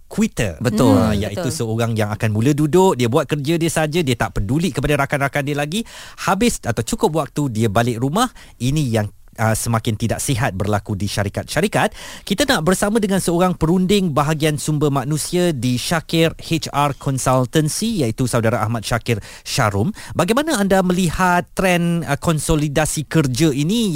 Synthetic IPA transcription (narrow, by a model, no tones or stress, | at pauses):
kuwit̪ə̰bət̪ʊjaʔit̪usəoɾaŋjaŋakanmũlədudʊk̚diəbuat̪̚kərd͡ʒadiəsad͡ʒadiət̪aʔpəduliʔkəpadaɾakanrakandiəlaɡihabɪsat̪awt͡ʃukʊp̚wak̚t̪udiəbalɪʔrɾumah | inĩjaŋ | əsəmãkɪnt̪idaʔsiɦat̪̚bərlakudiʃaɾikat̪̚ʃaɾikat̪̚kit̪anaʔbərsamãdəŋãnsəoɾaŋpəɾundɪŋbaɦaɡiansumbəmãnũsiadiʃakɪrhet͡ʃarkʰɔnsalt̪ənsijaʔit̪usawdaɾaʔa̰hmat̪̚ʃakɪr | ʃaɾʊmbaɡajmanãandamə̃lihat̪ːɾɛnkɔnsolidasikərd͡ʒəini